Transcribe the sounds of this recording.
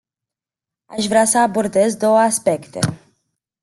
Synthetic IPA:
aʃvɾeasəabo̞rd̪e̞zd̪o̞wəaspe̞kt̪e̞̰

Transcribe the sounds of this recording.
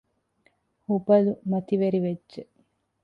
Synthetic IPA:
hubɐlumɐt̪iʋeɾiʋedːʒe

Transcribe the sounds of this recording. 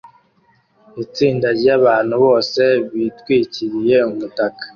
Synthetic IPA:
it͡siːndaɾɟaβaːn̥huβo̞ːse̞βitwiːciɾije̞umutakḁ

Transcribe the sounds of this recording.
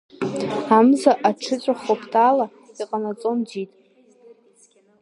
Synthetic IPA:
amzaʔaʈ͡ʂʰɨt͡sʷʼaχopʰtʰʼala | iqʼanat͡sʼo̞nd͡zitʼ

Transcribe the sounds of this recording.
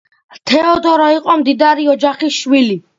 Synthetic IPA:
t̪ʰɛɔd̪ɔɾɔiqʼɔmd̪id̪aɾiɔd͡ʒaχisʃwili

